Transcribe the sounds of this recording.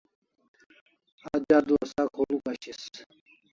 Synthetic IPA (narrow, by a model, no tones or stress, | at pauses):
ad͡ʒad̪uasakʰolukaɕis